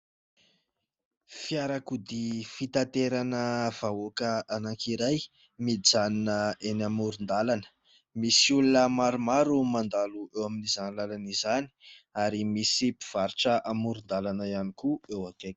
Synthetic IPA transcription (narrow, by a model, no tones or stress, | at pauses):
fijaɾakud̪ifit̪at̪eɾanəv̥aokəanaŋkiɾaj | mid͡zaninəenamuɾund̪alanə̥ | misiulunəmaɾumaɾumand̪aluewaminizanilalanizani̥aɾimisipi̥v̥aɾiʈ͡ʂəʔamuɾund̪alanəianikuewake̥